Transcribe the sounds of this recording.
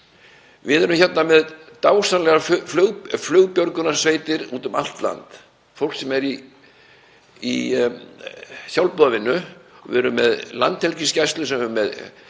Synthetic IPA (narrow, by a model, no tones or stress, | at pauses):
vɪðɛɾʏmçɛt̪namɛðt̪aːwsanlɛɣafɣflœːɣpjœɾkʏnasveːjt̪ɪɾuːt̪ʏma̰l̥t̪la̰nt̪ | fowl̥ksɛmɛɾi | ḭ | sjawlpɔðavɪnːʏvɪɛɾʏmːɛðla̰nt̪hɛlcɪscajst̪lʏsɛmɛɾmːɛð